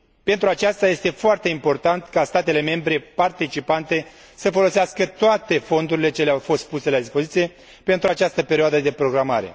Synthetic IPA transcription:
pe̞nt̪ɾuat͡ʃast̪aje̞st̪e̞foart̪e̞impo̞rt̪ant̪kast̪at̪e̞le̞me̞mbɾe̞part̪it͡ʃipant̪e̞ | səfo̞lo̞seaskət̪oat̪e̞fo̞nd̪uɾile̞t͡ʃe̞leawfo̞st̪̚puse̞lad̪ispo̞zit̪sije̞ | pe̞nt̪ɾuat͡ʃast̪əpe̞ɾioad̪əd̪e̞pɾo̞ɡɾama̰ɾe̞̰

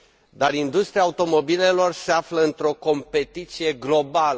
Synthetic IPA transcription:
d̪aɾind̪ust̪ɾiaːut̪o̞mo̞bile̞lo̞rse̞afləɨnt̪ɾo̞ko̞mpe̞t̪it̪sije̞ɡlo̞balə

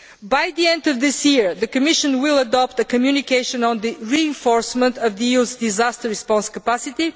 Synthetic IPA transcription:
bajðiɛ̃nd̪ʌvðɪsjiɹðɨkɨmɪʃɨ̃nwɪlˠəd̪ɔp̚t̪əkɨmjunikeɪʃɨ̃nə̃nðɨɹiɪ̃nfɔɹsmə̃nt̪ʌvðɨjuzd̪izast̪əɹispɔ̃nskəpasɪt̪i

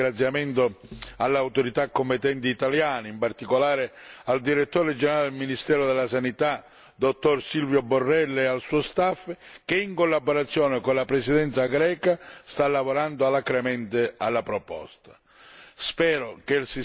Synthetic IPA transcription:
ɾat̪sːjamɛnt̪ʊalːawt̪oɾit̪akːompɪt̪ːɛnt̪iːt̪aljaːnɪimpart̪ikolaːɾɪald̪iɾet̪ːoːɾed͡ʒɛnɛɾalɪd̪elminist̪ɛːɾʊd̪ɛlːasanit̪a | d̪ot̪ːorsilvjoborːɛlːɛalsuːost̪afːkeiŋkolːaboɾat̪sːjɔːnɪkonlapɾɛsid̪ɛnt̪saɡɾɛːkast̪alːavoɾand̪ʊalːakɾɛmɛnt̪ɪalːapɾopɔ̰st̪ḁ | spɛːɾokelsi

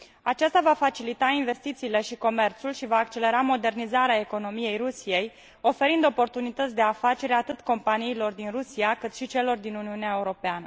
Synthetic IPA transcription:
at͡ʃast̪avafat͡ʃilit̪ainve̞st̪it̪siːle̞ʃiko̞me̞rt̪sulʃivaːkt͡ʃe̞le̞ɾamo̞d̪e̞rnizaɾeae̞ko̞no̞mije̞jrusije̞j | o̞fe̞ɾind̪o̞po̞rt̪unit̪ət̪sʲd̪e̞afat͡ʃe̞ɾat̪ɨt̪ko̞mpaniːlo̞rd̪inrusiakɨt̪ʃit͡ʃe̞lo̞rd̪inuniuneae̞uɾo̞peanə

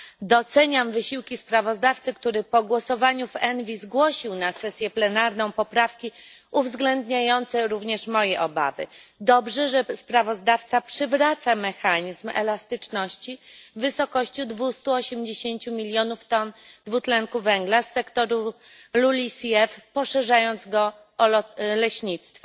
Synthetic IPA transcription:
d̪ɔt̪sɛɲamvɘɕiwkʲispɾavɔzd̪aft̪sɘkt̪uɾɘpɔɡwɔsɔvaɲuvɛnvʲizɡwɔɕiwnasɛsʲjɛplɛnaɾnɔ̃w̃pɔpɾafkʲiuvzɡlɛnd̪ɲajɔnt̪sɛɾuvɲɛʂmɔjɛʔɔba̰vɘ̰d̪ɔbʐɛʐɛspɾavɔzd̪aft̪sapʂɘvɾat̪samɛxaɲizmɛ̰last̪ɘt͡ʂnɔɕt͡ɕivːɘsɔkɔɕt͡ɕud̪vust̪uɔɕɛmd͡ʑeɕeɲt͡ɕumʲilʲjɔnuft̪ɔnd̪vut̪lɛŋkuvɛŋɡlasːɛkt̪ɔɾu | lulʲisɛfpɔʂɛʐajɔnd̪zɡɔ | lɛɕɲit̪st̪fɔ

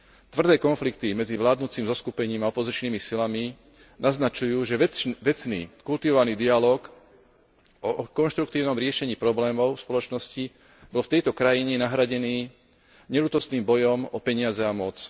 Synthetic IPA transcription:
t̪ʋr̩d̪ɛːkɔnflikt̪imɛd͡ziʋlaːd̪nuːt͡siːmzɔskupɛɲiːmaɔpɔzit͡ʃniːmisilami | naznat͡ʃujuːʒɛʋɛt͡snḭːkult̪iʋɔʋaniːd̪ialɔːk | ɔkɔnʃt̪ɾuk̚t̪iːʊnɔmɾɪɛʃɛɲiːpɾɔblɛːmɔʊfspɔlɔt͡ʃnɔsci | bɔlft̪ɛjt̪ɔkɾajiɲɛnaɦɾaɟɛniː | ɲɛlut̪ɔst̪niːmbɔjɔmɔpɛɲɪazɛamɔt͡s

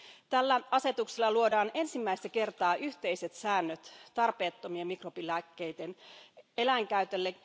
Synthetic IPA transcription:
t̪ælːæɑse̞t̪ukselːɑluo̞dɑːne̞nsimːæist̪æke̞rt̪ɑːʔyçt̪e̞ise̞t̪sæːnːøt̪t̪ɑrpe̞ːt̪ːomiemikropilækːe̞jt̪ene̞læŋkæyt̪elːe

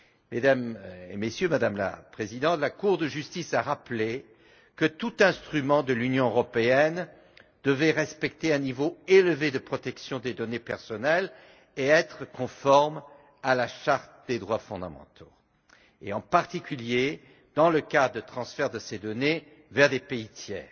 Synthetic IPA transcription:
med̪amḛmesjømad̪amla̰pχezid̪ɑ̃t̪lakuʁd̪əʒyst̪isaʁaple | kət̪ut̪ɛ̃st̪χymɑ̃d̪əlynjɔ̃øʁɔpeɛn | d̪̥əvɛʁɛspɛk̚t̪eɛ̃nivoeləved̪əpχɔt̪ɛksjɔ̃d̪ed̪ɔnepɛʁsɔnɛl | eɛt̪χəkɔ̃fɔʁm | alaʃaʁt̪əd̪ed̪ʁwafɔ̰̃d̪a̰mɑ̰̃t̪ʰo | ḛɑ̃paʁt̪ikʲylje | d̪̥ɑ̃ləkad̪ʁəd̪ət̪χɑ̃sfɛʁd̪əsed̪ɔne | vɛʁd̪epeit̪jɛ̰ːʁ

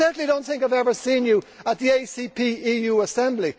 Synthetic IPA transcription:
ɜ˞ʔn̩lidõʊ̃nθɪ̃ŋkaɪvɛvə˞sĩːnjəət̪̚ðieɪsiːpʰiːiːjuːəsɛ̃mbli

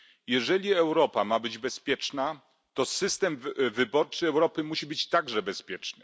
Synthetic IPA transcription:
jɛʐɛlʲiɛwɾɔpamabɘd͡ʑbɛspʲjɛt͡ʂna | t̪ɔsɘst̪ɛmvɘbɔɾt͡ʂɘɛwɾɔpɘmuɕibɘt͡ɕt̪aɡʐɛbɛspʲjɛt͡ʂnɘ

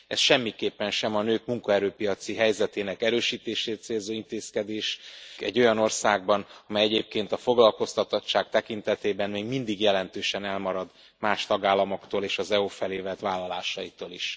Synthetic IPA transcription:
ɛsʃɛmːikeːpːɛnʃɛmɒnøːkmuŋkɒɛɾøːpijɒt̪siɦɛjzɛt̪eːnɛkɛɾøːʃiːt̪eːʃeːt̪t̪seːlzoːint̪eːskɛd̪eːʃɛ̰ɟːo̞jɒno̞rsaːɡ̚bɒnɒmɛjɛɟeːp̚keːn̪t̪ɒfo̞ɡlɒlko̞st̪ɒt̪ɒtt͡ʃːaːk̚t̪ɛkint̪ɛt̪eːbɛnmeːɡmind̪iɡjɛlɛnt̪øːʃɛnɛlmɒɾɒd̪ | maːʃt̪ɒɡaːlːɒmo̞kt̪oːleːʃɒzɛufɛleːvɛt̪ʋaːlːɒlaːʃɒjit̪oːliʃ

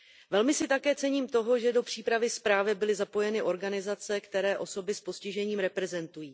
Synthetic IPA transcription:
vɛlmɪsɪt̪akɛːt͡sɛɲiːmt̪o̞ɦo̞ʒɛdo̞pr̝̥iːpɾavɪspɾaːvɪbɪlɪzapo̞jɛnɪʔo̞ɾɡanɪzat͡sɛkt̪ɛɾɛːʔo̞so̞bɪspo̞scɪʒɛɲiːmɾɛpɾɛzɛnt̪ujiː

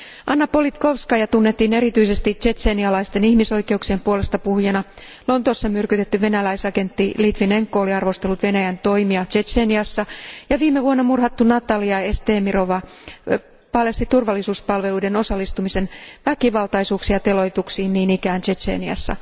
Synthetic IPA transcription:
ʔɑnːɑpolit̪kofskɑjɑt̪unːet̪ːiːne̞ɾit̪yise̞st̪it͡ʃe̞seniɑlɑist̪e̞nihmiso̞jke̞uksiempuole̞st̪ɑpuhjɑnɑ | lo̞nt̪osːɑmyrkyt̪et̪ːyʋe̞nælæjsɑke̞nt̪ːilit̪ʋineŋkːoːliɑrʋo̞st̪e̞lːut̪ʋe̞næjænt̪o̞imiɑt͡ʃe̞t͡ʃeːniɑsːɑjɑʋiːmːeʋuonːɑmurhɑt̪ːunɑt̪ɑliɑe̞st̪eːmiroʋɑ | pɑlest̪it̪urʋɑlːisuːspɑlʋe̞lujde̞no̞sɑlːist̪umise̞nʋækiʋɑlt̪ɑjsuːksiɑt̪e̞lo̞jt̪uksiːnniːnikæːnt͡ʃe̞sḛːniɑ̰sːɑ̰

